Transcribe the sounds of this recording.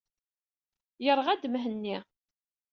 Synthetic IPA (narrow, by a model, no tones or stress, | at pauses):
jəɾʁæd̪mɦənːi